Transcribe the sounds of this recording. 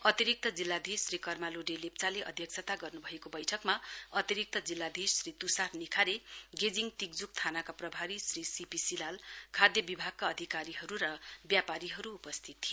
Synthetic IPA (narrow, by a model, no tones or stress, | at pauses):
ʌt̪iɾik̚t̪ʌd͡zilːad̪ʱisrikʌrmaloɖelep̚t͡saleʔʌ̰d̪ʱjʌk̚sʰʌt̪aɡʌrnubʱʌekobʌjʈʰʌkmaʌt̪iɾik̚t̪ʌd͡zilːad̪ʱisrit̪usarnikʰaɾeɡed͡ziŋt̪ik̚d͡zuk̚t̪ʰanakaprʌbʱaɾisrisipisilalkʰad̪jʌbibʱaɡ̚kaʌd̪ʱikaɾiɦʌɾuɾʌbjapaɾiɦʌɾuːpʌst̪ʰit̪ʰːijo